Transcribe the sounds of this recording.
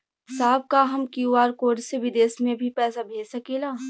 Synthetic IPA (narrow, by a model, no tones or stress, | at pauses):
saːb̚kaɦɐmkiuaːɾkoːɖseʋɪd̪eːsmẽbʱipɛːsabʱeːsɐkeːlaː